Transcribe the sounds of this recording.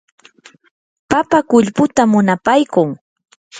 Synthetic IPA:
papakʊʎpʊt̪amʊnapajkʊŋ

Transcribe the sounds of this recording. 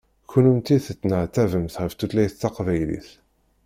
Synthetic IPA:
kunumt̪iθət͡sːnəʕt̪ːævəmθʁəft̪ulæjθt͡s̪ːɑqvæjlḭθ

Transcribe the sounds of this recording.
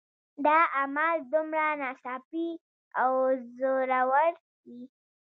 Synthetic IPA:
d̪ɑamald̪umɾanɑsɑpi | awzoɾawaɾ | i

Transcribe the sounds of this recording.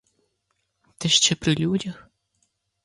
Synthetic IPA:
t̪ɛʃt͡ʃɛpɾɪlʲudʲɐx

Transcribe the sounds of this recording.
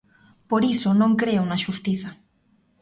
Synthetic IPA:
poɾisonõŋkɾeounaʃust̪iθa

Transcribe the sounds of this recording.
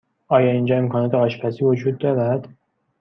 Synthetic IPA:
ʔɒːjɒːiːnd͡ʒɒːemkʰɒːnɒːt̪ʰeɒːʃpʰæsiːvo̞d͡ʒuːd̪̚ːɒːɾæd̪̥

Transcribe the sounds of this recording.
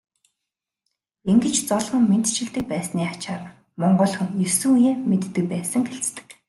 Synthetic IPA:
eŋɡɘ̆t͡ɕt͡sɔɮʁɞ̆ŋmen̥t̪t͡ɕɪ̆ɮt̪ɘ̆k̚pæːsniːat͡ɕaːr | mɔɴɢɞ̆ɮχɘ̆ŋjɵsŭŋjeːmet̪ːɘ̆k̚pæːsə̆ŋɡeɬt͡st̪ɘ̥̆k

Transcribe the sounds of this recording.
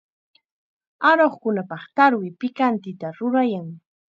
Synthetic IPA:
aɾoχkʊnapɑχt̪aɾwɪpɪkant̪ɪt̪aɾʊɾajaŋ

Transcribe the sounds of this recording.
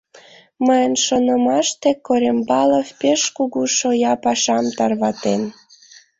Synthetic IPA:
məjənʃonəmɑʃt̪ekoɾʲembɑləfpeʃkuɣuʃojɑpɑʃɑmt̪ɑrβɑt̪en

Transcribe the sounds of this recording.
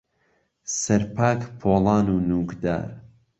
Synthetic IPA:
sɐɾpʰaːkpʰoːlˠɑːnuːnuːkd̪a̰ːɾ

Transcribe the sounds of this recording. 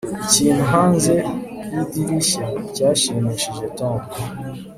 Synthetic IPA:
iciːn̤uɦaːnze | idiɾiʃacaːʃimiʃiʒetaːmbo

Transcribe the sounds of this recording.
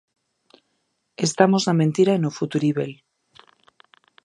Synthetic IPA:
est̪amoznamẽ̞nt̪iɾaenofut̪uɾiβel

